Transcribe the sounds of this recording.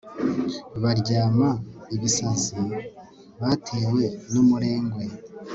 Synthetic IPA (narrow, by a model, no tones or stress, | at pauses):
βaɾɟaːmaiβisaza | βatʰewe̞nomuɾe̞ːŋɡwe̞